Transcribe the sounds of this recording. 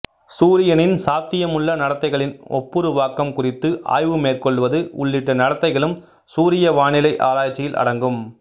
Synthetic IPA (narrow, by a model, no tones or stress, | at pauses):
suːɾɪjɐnɪnsaːɾt̪ɪjɐmɯɭːɐnɐɽɐt̪ːɐɪɣɐɭɪnɔ̰pːɯɾɯʋaːkɐmkʊrɪt̪ːɯʔa̰ːjʋɯmeːrkɔɭːɯʋɐðɯʊ̰ɭːɪʈːɐnɐɽɐt̪ːɐɪɣɐɭɯm | suːɾɪjɐʋaːɳɪlɐɪʔaːɾaːjt͡ʃːɪjɪlʔɐ̰ɽɐŋɡɯm